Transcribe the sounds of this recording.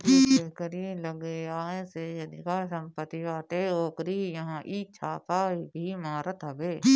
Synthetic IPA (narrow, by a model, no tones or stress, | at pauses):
eekəɾiləɡeaːẽːsejɐd̪ikaːsə̃mpət̪ːiʋaːt̪eːoːkɾiːjəɦãːʔit͡ʃʰaːkaːbʱimaːɾət̪ɦəbeː